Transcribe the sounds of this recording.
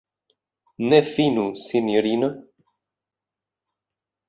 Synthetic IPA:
nefinusinjoɾino

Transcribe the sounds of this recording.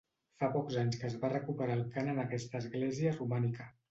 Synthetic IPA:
fapɔkzaɲskəːzβarəkupəɾaːlˠkanənəkɛst̪əːzɣlɛziərumanikə

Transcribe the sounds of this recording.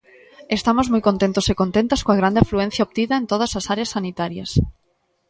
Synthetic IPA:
est̪amozmojkõnt̪ent̪osekont̪ent̪askoaɣ̞ɾand̪eafluen̟θjaop̚t̪iðɐent̪oð̞ɐsɐsaɾeasːanit̪aɾjɐ̰s

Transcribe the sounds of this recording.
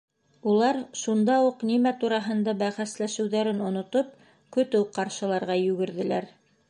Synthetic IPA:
ulˠɑɾʃund̪ɑuqnimæt̪uɾɑɦɤ̆nd̪ɑbæχæslæʃɘ̆wðæɾɘnŏnŏt̪op̚ | kɵ̆t̪ɘwqɑɾʃɤ̆lˠɑɾʁɑjʉɡɘ̆ɾðɘ̆læɾ

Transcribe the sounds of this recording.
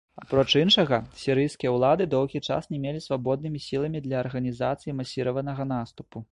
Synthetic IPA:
apɾɔt͡ʂinʂɐɣɐsʲiɾɨjskʲijɐwlˠad̪ɨd̪ɔwɣʲit͡ʂa̰snʲɛmʲelʲisvabɔd̪nɨmʲisʲilˠɐmʲid̪lʲɐːrɣɐnʲizat̪sɨjimasʲiɾɐvɐnɐɣɐnast̪upu

